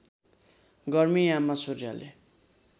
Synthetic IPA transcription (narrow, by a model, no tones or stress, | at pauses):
ɡʌrmiamːasurja̰lḛ